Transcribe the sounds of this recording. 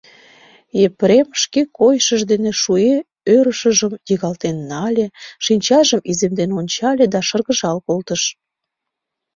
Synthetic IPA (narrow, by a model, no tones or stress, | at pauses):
epɾemʃkekojʃəʒd̪eneʃue | øɾəʃəʒəmjiɣɑlt̪enːɑlʲeʃinʲt͡ɕɑʒəmizemd̪enonʲt͡ɕɑlʲed̪ɑʃərɣəʒɑlkolt̪əʃ